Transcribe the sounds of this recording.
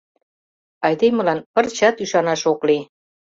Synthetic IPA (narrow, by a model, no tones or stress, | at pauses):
ɑjd̪emə̆lɑnpə̆rt͡ɕɑt̪yʃɑnɑʃokli